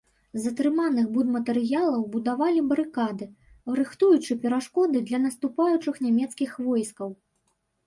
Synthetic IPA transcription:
zɐt̪ɾɨmanɨxbud̪mɐt̪ɛɾɨjalˠɐwbud̪avalʲibɐɾɨkad̪ɨ | ɾɨxt̪ujut͡ʂɨpʲɛɾaʂkɔd̪ɨd̪lʲɐnɐst̪upajut͡ʂɨxnʲamʲɛt̪skʲixvɔjskɐw

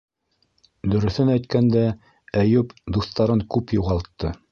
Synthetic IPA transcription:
d̪ɵ̆ɾɵ̆θɵnæjt̪kænd̪æ | æjʉpd̪uθt̪ɑɾɤŋkʉpjuʁɑlˠt̪ːɤ

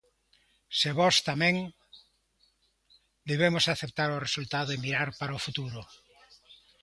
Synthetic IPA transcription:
seβɔst̪amẽŋ | d̪eβemosaθep̚t̪aɾoresult̪aðoemiɾaɾpaɾaofut̪uɾo

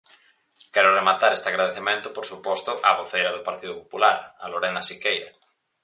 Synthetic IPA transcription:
kɛɾʊremat̪aɾest̪ɪaɣɾaðeθemẽnt̪ʊpoɾsupɔst̪ʊʔaβoθejɾɐðʊpaɾt̪iðʊpopulaɾaloɾɛnasikejɾɐ

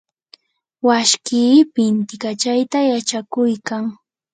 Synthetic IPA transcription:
waʃkiːpɪnt̪ɪkat͡ʃajt̪ajat͡ʃakʊjkaŋ

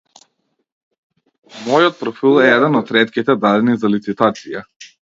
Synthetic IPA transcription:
mɔjɔt̪̚pɾɔfilˠɛɛd̪ɛnɔt̪ɾɛt̪kʲit̪ɛd̪ad̪ɛnizalit̪sit̪at̪sija

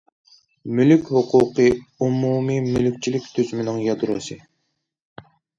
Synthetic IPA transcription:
mylykʲhʊqʰuqʰɨumumimylyk̚ʲt͡ʃʰilɪkʲt̪ʰyzmɪnɪŋjɑd̪ɾṵsɨ

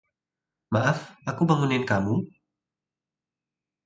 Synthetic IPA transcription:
maʔafʔakubaŋunɪnkamu

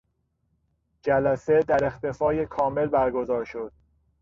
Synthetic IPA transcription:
d͡ʒælæse̞d̪æɾe̞xt̪e̞fɒːje̞kʰɒːme̞lbæɾɡo̞zɒːɾʃo̞d̪̥̚

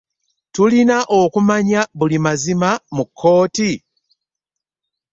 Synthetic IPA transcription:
tulinaʔo̞kumaɲaβulimazimamukʰːo̞ːti

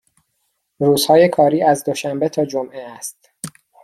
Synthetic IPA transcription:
ruːzhɒːje̞kʰɒːɾiːæzd̪o̞ʃæmbe̞t̪ʰɒːd͡ʒomʔeæst̪

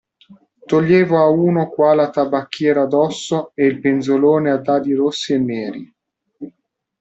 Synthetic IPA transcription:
t̪oʎːeːvoauːnokwaːlat̪abakːjɛːɾad̪ɔsːoeilpenzoloːnead̪ːaːd̪iɾosːienːɛːɾi

